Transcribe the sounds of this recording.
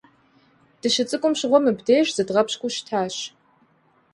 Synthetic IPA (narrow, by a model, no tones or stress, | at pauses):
d̥ɨʃɨt͡sʼɨkʷʼʊmɕʁʷɔmɨbdeːɕz̥ɨdʁɐpɕkʷʼʊʃtʰaːɕ